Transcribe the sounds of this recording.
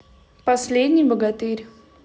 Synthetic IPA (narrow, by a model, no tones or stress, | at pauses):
pɔslʲed̪nʲibɔɡat̪iɾʲ